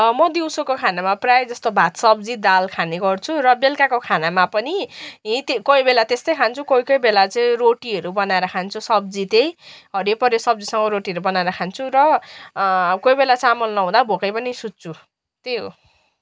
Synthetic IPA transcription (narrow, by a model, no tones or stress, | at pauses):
mʌd̪iwsokokʰanamaprajd͡zʌst̪obʱat̪sʌbd͡zid̪alkʰaneɡʌrt͡sʰuɾʌbelkakokʰanamapʌniɦĩt̪ekʌibelat̪est̪ʌjkʰant͡sʰukoijkʌjbelat͡sʌĩroʈiʌɾubʌnaeɾʌkʰant͡sʰusʌb̚d͡zit̪ejɦʌɾepʌɾjesʌb̚d͡zisʌŋɡʌɾoʈiʌɾubʌnaeɾʌkʰant͡sʰuɾʌ | kojbelat͡samʌlnʌɦũd̪abʱokʌjpʌnisutt͡sʰu | t̪eo